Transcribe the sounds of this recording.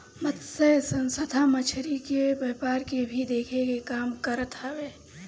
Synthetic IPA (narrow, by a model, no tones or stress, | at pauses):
mət̪səjsə̃nsəd̪ʱamət͡ʃʰɾikebɐpaːɾkebʱid̪eːkʰekekaːmkəɾt̪aʋeː